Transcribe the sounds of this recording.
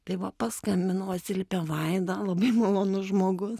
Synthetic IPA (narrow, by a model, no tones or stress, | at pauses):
t̪ɐɪʋɐpɑskɐmʲbʲɪnɐʊɐt̪ʲsʲɪlʲɪpʲɛʋɐɪd̪ɐlˠɐbɐɪmɐlˠoːnʊʒmoːɡʊs